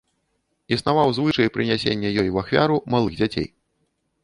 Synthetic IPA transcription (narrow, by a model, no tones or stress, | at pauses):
isnavawzvɨʂɐjpɾɨnʲasʲḛnʲːɛjɔjwaxfʲa̰ɾumalˠɨɣd͡zʲat͡sʲḛj